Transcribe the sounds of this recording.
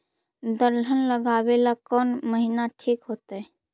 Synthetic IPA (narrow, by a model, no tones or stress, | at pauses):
d̪əɾl̤ʱənləɡawelakɔːnməɦinaʈʰiːkɦoːt̪ɛ